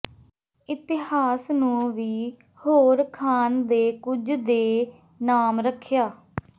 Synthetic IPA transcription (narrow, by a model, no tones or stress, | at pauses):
ɪt̪ɪhaːsnũːʋiː | hoːɾkʰaːnd̪eːkʊd͡ʒd̪eː | naːmɾəkʰːjaː